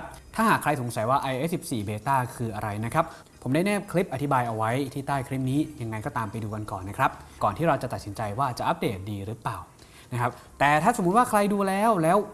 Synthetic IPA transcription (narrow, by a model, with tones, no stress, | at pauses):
p̚t̪ʰaː˥˩ɦaː˨˩kʰːɾa˧jso˨˩˦ŋsa˨˩˦jwaː˥˩ʔa˧jʔeː˦˥si˨˩p̚siː˨˩beː˧t̪aː˥˩kʰɯː˧ʔa˧ɾa˧jna˦˥kʰɾa˦˥p̚ | pʰːo˩˦mda˥˩jnɛː˥˩p̚kʰli˦˥p̚ʔa˧t̪ʰi˦˥baː˧jʔa˧wa˦˥jt̪ʰiː˥˩t̪aː˥˩jkʰli˦˥p̚niː˦˥ja˧ŋːa˧jkɔː˥˩t̪aː˧mpa˧jduː˧ka˧nkɔː˨˩nːa˦˥kʰɾa˦˥p̚kɔː˨˩nt̪iː˥˩ɾa˧wt͡ɕa˨˩t̪a˨t̪̚si˩˦nt͡ɕa˧jwaː˥˩t͡ɕa˨˩ʔa˦˥p̚deː˨˩t̪̚diː˧ɾɯː˦˥paː˨˩w | na˦˥kʰa˦˥p̚ | t̪ɛː˨˩t̪ʰaː˥˩so˨˩˦mu˦˥t̪̚waː˥˩kʰɾa˧jduː˧lɛː˦˥wlɛː˦˥w